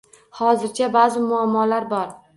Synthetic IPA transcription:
hɒzɪɾt͡ʃʰabazɪmʊamːɒlaɾbɒɾ

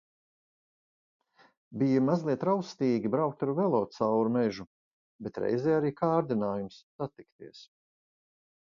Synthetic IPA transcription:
bijamazlˠiɛt̪ɾawst̪iːɡʲibɾawk̚t̪aɾvɛlˠɔːt̪sawɾumɛʒu | bet̪ɾɛ̰jzɛjaɾiːkʰaːɾd̪inaːjumsːat̪ikt̪iɛs

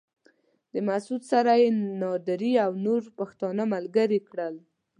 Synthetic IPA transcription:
d̪̥əmasud̪saɾajenɑd̪aɾiawnoɾpaxt̪ɑnəmalɡaɾikɽəl

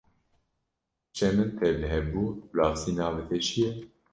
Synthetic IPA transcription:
t͡ʃʰɛmɨnt̪ʰɛlɨɦɛbuːlaːfsiːnɑːvɛt̪ʰɛt͡ʃʰijɛ

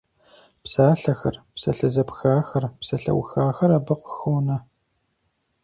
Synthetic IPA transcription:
psaːɬɐxɐ̰rpsɐɬɐzɐpxaːxɐrpsɐɬɐ̰wxaːxɐɾaːbɐqʷʊxoːnɐ

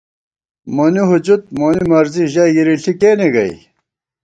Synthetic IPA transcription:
moniɦud͡ʑut̪̚monimɐɾziʑaɡiɾiɬʰikeːniɡɐḭj̰

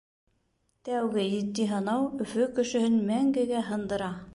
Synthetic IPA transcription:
t̪æwɡɘjɘ̆t̪ːiɦɤ̆nɑwɵ̆fɵkɵ̆ʃɵ̆hɘnmæŋɡɘɡæɦɤ̆nd̪ɤ̆ɾɑ

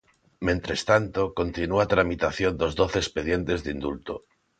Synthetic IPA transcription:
mẽnt̪ɾest̪ant̪okont̪inuat̪ɾamit̪aθjond̪ozðoθeespeð̞jent̪ezðind̪ult̪o

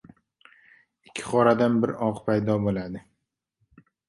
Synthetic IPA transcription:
ɪkʲʰːɪ̥χɒɾad̪anbɪɾɒqpʰajd̪ɒbolad̪ɪ

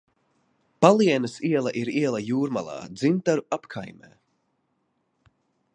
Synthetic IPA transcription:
palˠiɛnəsiɛlˠaʔiɾiɛlˠɐjuːɾma̰lˠa̰ːd̪zimt̪aɾuapkʰa̰jmɛ̰ː

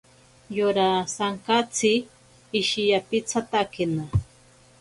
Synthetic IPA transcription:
jʊɾasaŋkat͡sʰɪː | ʃɪjapɪt͡sʰat̪akɪna

